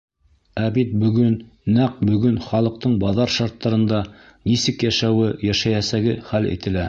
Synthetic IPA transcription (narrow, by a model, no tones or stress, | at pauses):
æbit̪̚bɵ̆ɡɵnː | æq̚bɵ̆ɡɵnχɑlˠɤ̆q̚t̪ɤɴbɑðɑɾʃɑɾt̪ːɑɾɤ̆nd̪ɑ | nisɘkjæʃæwɘjæʃæjæsæɡɘχælḭt̪ɘ̆læ